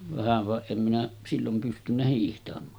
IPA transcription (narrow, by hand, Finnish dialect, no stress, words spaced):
ʋæhæʋ ʋɑ em minæ silːom pystynːæ hiːhtɑmˑɑː